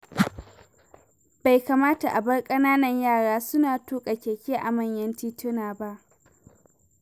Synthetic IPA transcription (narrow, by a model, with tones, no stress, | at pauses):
ba˨jkaː˨maː˦ta˨ʔa˨bɐ˦rkʼɐ˦naː˦nɐ˨ɲjaː˦˨ɽaː˦sʊ˦naː˨tuː˦kʼa˨kʲeː˨kʲeː˦ʔa˨mɐ˦˨ɲjɐ˦ntiː˦tʊ˦naː˨ba˦ʔ